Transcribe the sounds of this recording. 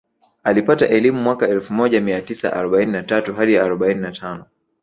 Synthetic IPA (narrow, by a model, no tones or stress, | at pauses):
alipataʔɛlimumwakaɛlfumɔʄamiatisa̰ʔa̰ɾɔɓaininatatuɦaɗijaːɾɔɓaininatʰanɔ